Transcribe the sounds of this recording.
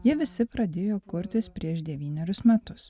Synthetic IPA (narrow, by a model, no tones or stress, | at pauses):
jiɛʋʲɪsʲɪpɾɐd̪ʲeːjoːkʊɾʲt̪ʲɪspʲɾʲiɛʃd̪ʲɛʋʲiːnʲɛɾʲʊsmʲɛt̪ʊs